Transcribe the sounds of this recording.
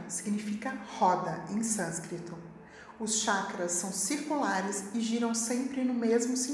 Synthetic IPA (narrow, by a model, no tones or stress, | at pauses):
siɡnifikɐhɔd̪ɐẽj̃sɐ̃skɾit̪ʊ | ʊsʃakɾɐsːɐ̃w̃siɾkulaɾɪsɪʒiɾɐ̃w̃sẽmpɾɪnʊmezmʊsĩ